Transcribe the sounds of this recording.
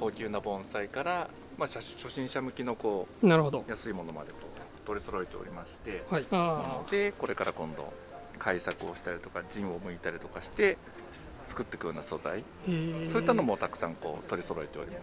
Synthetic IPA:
koːkʲɨːnabõ̞ɰ̃saikaɾa | maɕaɕo̞ɕĩɰ̃ɕamɯ̟kʲino̞ko̞ːnaɾɯ̟hod̪ojasɨimo̞no̞mad̪e̞ko̞̰ː | t̪o̞ɾʲiso̞ɾo̞et̪e̞o̞̰ɾʲimaɕi̥t̪e̞hid̪̥e̞ko̞ɾe̞kaɾʔakõ̞nd̪o̞̰ | kʰaisakɯ̟o̞ɕi̥t̪aɾʲit̪o̞kad͡ʑĩɰ̃o̞mɯ̟it̪aɾʲit̪o̞kaɕi̥t̪e̞ | t͡sɨ̥kɯ̟t̪ːe̞kɯ̟jo̞ːnaso̞za̰i | so̞it̪ːano̞mo̞t̪akɯ̟̥sãŋko̞̰ːt̪o̞ɾʲiso̞ɾo̞et̪e̞oɾʲḭmas

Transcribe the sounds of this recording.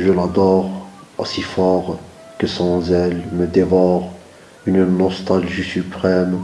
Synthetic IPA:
ʒəlad̪ɔʁ | osifɔʁ | kəsɑ̃zɛlməd̪evɔʁ | ynnɔst̪alʒisypχɛm

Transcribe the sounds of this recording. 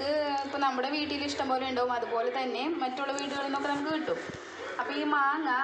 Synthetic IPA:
kɨipːonɐmːuɽeʋiːʈːijiliʂʈɐmboːleɳɖɐʋumɐðupo̞ːle̞t̪ɐnːe̞mɐtːuɭːɐʋiːʈ̬ːuɣɐɭenːo̞ːkːenɐmukːɨʋiʈːum | ɐpːoːiːmaːŋɐ

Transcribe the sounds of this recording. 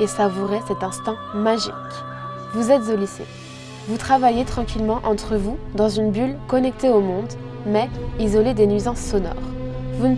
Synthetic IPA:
esavuʁɛsɛt̪ɛ̃st̪ɛ̃maʒḭk | vuzɛt̪zolisḛ | vut̪χavajet̪χɑ̃kʲilmɑ̃ʔɑ̃t̪χəvud̪ɑ̃zynbylkɔnɛk̚t̪eomɔ̃d̪mɛizɔled̪enɥizɑ̃sːɔnɔ̰ʁvun

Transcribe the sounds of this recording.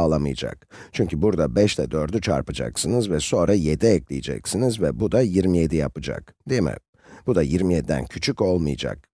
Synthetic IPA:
lˠamɯjad͡ʒa̰k | t͡ʃʰyɲcybuɾd̪abɛʃt̪ʰɛd̪øɾd̪yt͡ʃʰa̰ɾpɯd͡ʒa̰ksɯnɯzvɛso̞nɾajed̪iɛclʲijid͡ʒɛ̰csinizvɛbud̪ajiɾmije̞d̪ijapɯd͡ʒa̰kd̪̥emɛ̰ | b̥ud̪ajiɾmijed̪id̪æ̰ncʰyt͡ʃʰyko̞lˠmɯjad͡ʒa̰k̚

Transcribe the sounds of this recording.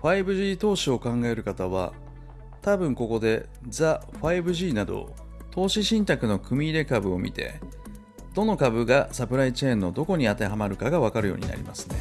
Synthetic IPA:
ɸaibɯ̟ʑiːt̪o̞ːɕio̞kãŋɡae̞ɾɯ̟kat̪aβ̞a̰ | t̪abɯ̟̃ŋko̞ko̞d̪e̞ | zaɸaibɯ̟ʑiːnad̪o̞̰ | t̪ʰo̞ːɕiɕĩnt̪akɯ̟no̞kɯ̟mʲiːɾe̞kabɯ̟o̞mʲḭt̪e̞̰ | d̪̥o̞no̞kabɯ̟ɡasapɯ̟ɾait͡ɕẽ̞ːnːo̞d̪o̞ko̞ɲ̟iat̪e̞ɦamaɾɯ̟kaɡaβakaɾɯ̟jo̞̰ːɲ̟ḭna̰ɾʲḭma̰sɨ̥ne̞

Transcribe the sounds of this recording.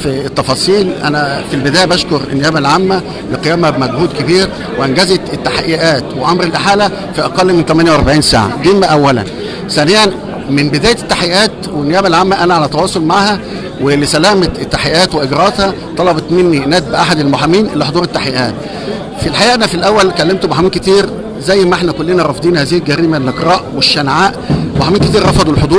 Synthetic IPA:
fit̪ːɑfɑːsˤiːlʔæ̰næfilbɪd̪æːjæbæʃkoɾʔḛnːejæːbælʕamːæ | lɪqejæːmæbmæɡhuːd̪kebiːɾ | weʔænɡæzet̪et̪ːaħaʔeʔæːt̪weʔɑmɾelʔaħaːlæ | fiʔɑqɑlːment̪æmænjawʔɑɾˤbaʕiːnsa̰ːʕa̰d̪iːmmːæʔæwːælæ̰n | sænejæn | mɪnbed̪æːjæt̪t̪ːaħjʔæːt̪wenːejæːbælʕamːæʔænæʕalæt̪ːɑwɑːsˤolmaʕhæ | welːisælæːmæt̪et̪ːaħejʔæːt̪weʔeɡɾɑet̪hæ | t̪ˤɑlɑbɑt̪menːinæːd̪̚bʔaħad̪elmoħamiːnʔelːiħod̪ˤuːɾet̪ːaħejʔæːt̪ | filħaʔæːʔænæfilʔæwːælkælːemt̪obħamiːnket̪iːɾ | zæjːmæʔeħnækolːenæɾˤɑfd̪ˤiːnhæːziːhelɡæɾiːmælʔeqɾɑːʔweʃːænʕaːʔweħamiːnket̪iːɾɾˤɑfɑd̪ˤulħod̪ˤuːɾ

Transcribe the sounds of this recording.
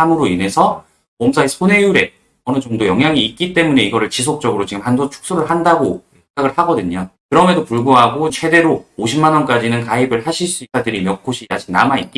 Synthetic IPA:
amɯɾoine̞sʰʌ | pʌmsʰaesʰone̞juɾe̞ | ʌnɯd͡ʑʌŋdojʌŋɦjaŋiːt̚k͈it͈e̞mune̞iɡʌɾɯɭt͡ɕis̬ʰok̚t͡ɕ͈ʌɡɯɾot͡ɕiɡɯmhandot͡ɕʰu̥k̚s͈uɾɯɭhandaɡo | sʰeŋɡaɡɯɭhaɡʌdɯɲokɯɾʌmedopuɭɡuɦaɡot͡ɕʰe̞de̞ɾoːɕʰimːanʌnk͈ad͡ʑinɯnkaibɯɭhaɕʰiɭs͈uisʰadɯɾimjʌk͈ʰoɕʰiaɕʰi̥ŋna̰mait̚k͈i

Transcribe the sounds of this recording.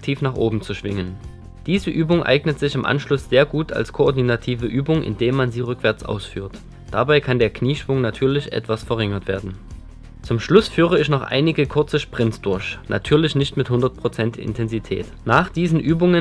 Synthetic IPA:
ktʰiːfnaːχʔoːbm̩t͡suʃv̥ɪŋən | d̥iːzəʔyːbʊŋʔa̰ɪɡnətz̥ɪçɪmʔa̰nʃlʊsz̥eːɐɡuːtʰa̰lskʰoʔoɐdinatʰiːvəʔyːbʊŋʔɪ̰ndeːmanziːʁʏkv̥ɛɐt͡sʔa̰ʊsfy̰ːɐt | d̥abaɪkʰandeːɐkniːʃv̥ʊŋnatʰyːɐlɪçʔɛ̰tv̥asfɛɐʁɪŋɐtv̥eːɐdn̩ | t͡sʊmʃlʊsfyːʁəɪçnɔχʔa̰ɪnɪɡəkʰʊɐt͡səʃpʁ̥ɪnt͡sd̥ʊɐçnʔa̰tʰyːɐlɪçnɪçtmɪthʊndɐt̚pʁ̥ot͡sɛntɪ̰ntʰɛnzitʰɛ̰ːt | naːχd̥iːzn̩ʔyːbʊŋə

